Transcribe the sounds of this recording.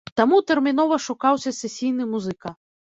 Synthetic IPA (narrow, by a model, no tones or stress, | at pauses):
t̪amut̪ɛrmʲinɔvɐʂukawsʲɐsʲɛsʲijn̪ɨmuzɨkɐ